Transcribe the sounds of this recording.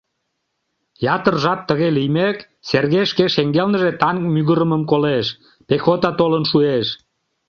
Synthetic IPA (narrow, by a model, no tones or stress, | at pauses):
jɑt̪ərʒɑp̚t̪əɣelijmek | serɣeʃkeʃeŋɡelnəʒet̪ɑŋkmyɣəɾəməmkoleʃ | pexot̪ɑt̪olənʃueʃ